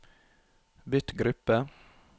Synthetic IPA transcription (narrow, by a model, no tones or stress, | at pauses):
bʏt̪ɡɾʉpːə